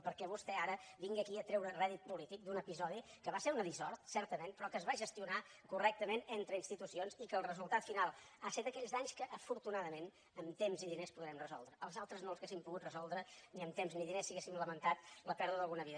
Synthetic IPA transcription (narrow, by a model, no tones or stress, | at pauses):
pəɾkɛβust̪ɛaɾəβiŋɡiəkiət̪ɾɛwɾərɛðit̪̚pulit̪ik̚d̪unəpizɔðikəβaseɾunəðizɔɾt̪sɛɾt̪əmenpɾɔkəzβaʒəst̪iunakurɛk̚t̪əmenent̪ɾəinst̪it̪usionzikəːlˠrəzulˠt̪at̪finalˠaset̪əkɛʎzaɲskəʔəfuɾt̪unaðəmen | əmt̪emziðinespuðɾɛmrəzɔ̰lˠd̪ɾəəlˠzalˠt̪ɾəznolˠzɣesimpuɣut̪rəzɔlˠd̪ɾəniəmt̪emzniðinesːiɣesimləmənt̪at̪ləpɛɾðuəðəlˠɣunəβiðə